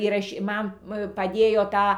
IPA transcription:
iːrɐˈʃʲiː ˈmɐn pɐˈdʲeːjoː ˈtɑː

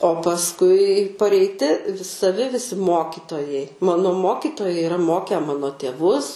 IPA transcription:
oː pɐsˈkʊɪ pɐrʲɛɪˈtʲɪ sɐˈʋʲɪ ʋʲɪˈsʲɪ ˈmoːkʲɪtoːjɛɪ ˈmɑːnoː ˈmoːkʲɪtoːjɛɪ ɪˈrɐ ˈmoːkʲɛ ˈmɑːnoː tʲeːˈʋʊs

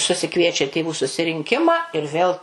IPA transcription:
sʊsʲɪˈkʋʲiɛt͡ʃʲɛ tʲeːˈʋuː sʊsʲɪrʲɪŋʲˈkʲɪmɑː ɪr ˈʋʲeːlˠ

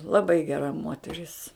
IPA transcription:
lˠɐˈbɐɪ ɡʲɛˈrɐ ˈmoːtʲɛrʲɪs

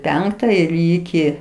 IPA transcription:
ˈpʲɛŋktɐ ɪr ˈiːkʲɪ

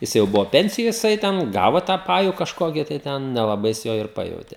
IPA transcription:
ˈjɪs jɛʊ ˈbʊʋoː ˈpʲɛnʲsʲɪjoːj jɪˈsɐɪ tʲɛn ˈɡɑːʋoː tɑː ˈpɑːjʊ kɐʃˈkoːkʲiː tɐɪ ˈtʲɛn nʲɛlˠɐˈbɐɪ jɪs ˈjoː ɪr ˈpɑːjɛʊtʲeː

